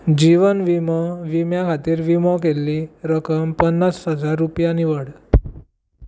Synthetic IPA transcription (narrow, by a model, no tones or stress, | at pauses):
d͡ʑiʋənʋimɔʋimjakʰat̪iːɾʋimɔkelːiːɾəkəmpənːasɦəd͡zaɾːupjaniʋəɽ